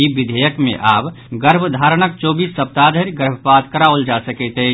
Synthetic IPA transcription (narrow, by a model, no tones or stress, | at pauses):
ibɪd̪ʱejəkmḛ̃ʔaːb | ɡəɾbʱd̪ʱaːɾnək̚t͡ʃoːbiːsːəp̚t̪ad̪ʱəɾɡəɾbʱəpaːd̪kəɾaold͡ʒasəket̪ɦe